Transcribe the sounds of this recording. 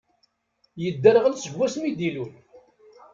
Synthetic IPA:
jəd̪ːəɾʁəlsəɡwæsmid̪ilun

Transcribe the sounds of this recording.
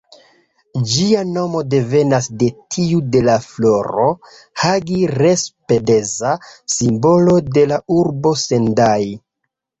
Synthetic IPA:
d͡ʒiano̞mo̞de̞ve̞nasde̞tʰiude̞laflo̞ɾo̞ | haɡiɾe̞spe̞de̞zasimbo̞lo̞de̞lauɾbo̞se̞ndaj

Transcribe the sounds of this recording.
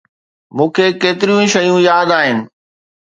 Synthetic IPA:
mũːkʰekeːt̪ɪɾijũʃɐjũjaːd̪aːɦɪnɪ̆

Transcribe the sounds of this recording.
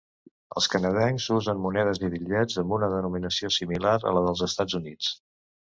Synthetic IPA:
ə̰lˠskənəðɛŋzuzənmunɛðəziβiʎɛd͡zəmbunəðənuminəsiosimilaɾə̰ləðəlˠzəst̪ad͡zzunit͡s

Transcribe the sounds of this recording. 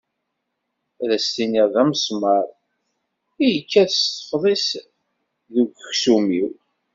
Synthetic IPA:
ðæst̪iniʁðæmsˤmɑɾˤ | ijəkːæðəst̪ə̥fðˤis | ðuɡəçsumiw

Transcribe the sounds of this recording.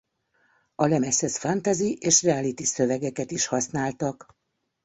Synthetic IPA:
ɒlɛmɛsɛsfant̪aziʔeːʃrɛaːlit̪isøvɛɡɛkɛt̪iʃhɒsnaːlt̪ɒk

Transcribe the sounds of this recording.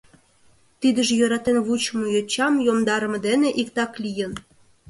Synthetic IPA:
t̪id̪əʒejøɾɑt̪enβut͡ɕəmujøt͡ɕɑmjomd̪ɑɾəməd̪eneʔikt̪ɑklijən

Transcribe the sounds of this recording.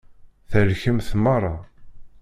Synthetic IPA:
θəlçəmθmɑrˤːɑ

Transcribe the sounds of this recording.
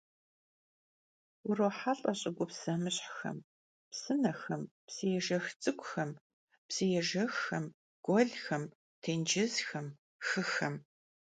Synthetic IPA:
ʊroːħaɬʼɐɕʼɪɡʷʊpsɐmɨɕʼħxɐ̰m | psɨnɐxɐmpsɨjɛʒɐxt͡sʼɨkʷʼʊxɐm | psɨjɛʒɐxɐm | ɡ̥ʷɔɮxɐm | tʰeːnd͡ʒɪzxɐm | xɨxɐm

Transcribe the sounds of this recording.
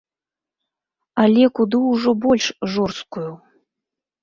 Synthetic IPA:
alʲekud̪ɨuʐobolʲʂʒorskujuw

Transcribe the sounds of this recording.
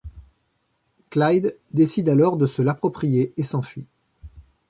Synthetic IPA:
klajd̪ːesid̪alɔʁd̪əsəlapχɔpχijeesɑ̃fɥi

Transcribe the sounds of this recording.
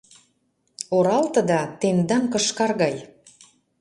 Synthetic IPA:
oɾɑlt̪ɤ̆d̪ɑt̪emd̪ɑŋkɤ̆ʃkɑrɣɑj

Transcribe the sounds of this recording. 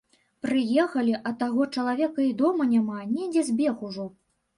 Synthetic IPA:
pɾɨjɛxɐlʲiʔɐt̪aɣɔt͡ʂɐlˠavʲɛkɐid̪ɔmɐnʲamanʲɛd͡zʲɛzʲbʲɛxuʐɔ

